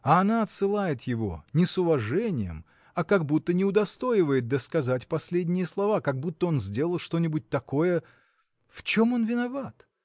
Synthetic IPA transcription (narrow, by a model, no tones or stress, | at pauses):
ɐɐnaɐt̪sɨlˠajɪt̪jɪvo̞̰nʲɪsʊvɐʐɛnʲɪjə̰m | ɐkɐɡbut̪ːənʲɪʊd̪ɐst̪o̞jɪvəjɪt̪̚d̪əskɐzatʲpɐsʲlʲedʲnʲɪjəslˠɐvakɐɡ̚but̪ːəo̞nzʲdʲe̞lˠəlˠʂt̪o̞nʲɪbʊt̚ʲt̪ɐko̞jə | ft͡ɕo̞mo̞nvʲɪnɐvat̪